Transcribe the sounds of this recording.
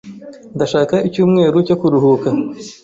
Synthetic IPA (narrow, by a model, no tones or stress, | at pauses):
nd̪aʃaːkaicuːmŋe̞ːɾucokuɾuɦuka